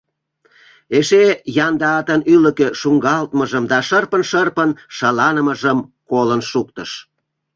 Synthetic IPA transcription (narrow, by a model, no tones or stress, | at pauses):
eʃejɑnd̪ɑɑt̪ənyləkeʃuŋɡɑlt̪məʒəmd̪ɑʃərpənʃərpənʃɑlɑnəməʒəmkolənʃuk̚t̪əʃ